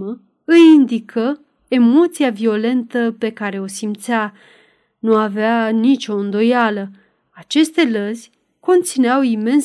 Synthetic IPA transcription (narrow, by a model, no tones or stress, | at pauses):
ə | ɨjind̪ikʰə | e̞mo̞t̪siavio̞le̞nt̪əpe̞kaɾe̞o̞simt̪sa | nuaveanit͡ʃo̞ɨnd̪o̞jalə | at͡ʃe̞st̪e̞ləzʲ | ko̞nt̪sineawime̞ns